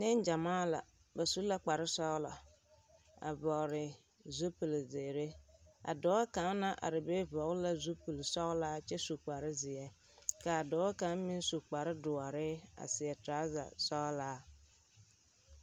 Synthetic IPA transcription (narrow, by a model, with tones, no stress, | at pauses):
nɪ˦n˦d͡ʒa˨maː˦la̰˨ | ba˨su˦la˦k͡pa˨ɾɪ˦sɔ˦la˨ | a̰˨vɔ˨ɾɪ˨ | zo˦pu˨lze˨ɾe˦a̰˨dɔː˨˦a˦ka˨˦na˦ʔa̰˨ɾɪ˨be˦vɔ˨˦la˦zu˦pu˨lsɔ˦laː˦t͡ʃɛ˦su˨k͡pa˨ɾɪ˦zɪ˨ɛ˦ | ka˨a˨dɔ˨˦a˦ka˨˦mĩ˦n˦su˨k͡pa˨ɾɪ˦dʊ˨a˨ɾɪ˦a̰˨sɪ˨ɛ˨tɾa˨˦za̰˨sɔ˦laː˦